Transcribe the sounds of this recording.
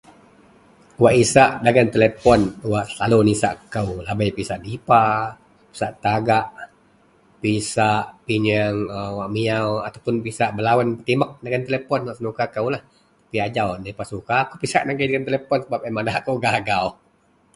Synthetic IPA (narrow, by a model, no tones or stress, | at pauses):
waʔisaʔdaɡant̪elepɔnwaʔsəlalonisa̰ʔkəwlabajpisaʔdipa | pi̥saʔt̪aɡaʔ | pisaʔpiɲəŋəwaʔmiawat̪awpʊnpisaʔbəlawanpət̪imək̚daɡant̪elepɔnwaʔsənukakəwlah | apiad͡ʒawnapasukaːkupisa̰ʔnaɡajdaɡant̪elepɔnsəbap̚amanakəwɡaɡau